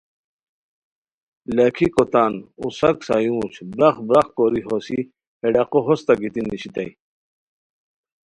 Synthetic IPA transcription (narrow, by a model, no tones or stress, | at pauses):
lakʰikot̪anṵsɐksajũːɕbɾaχbɾaχkoɾiɦosi | eɖaqoɦost̪aɡit̪iniɕit̪aj